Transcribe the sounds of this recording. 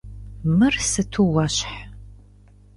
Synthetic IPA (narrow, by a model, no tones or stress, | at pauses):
mɨrsɨtʰuwɐɕħ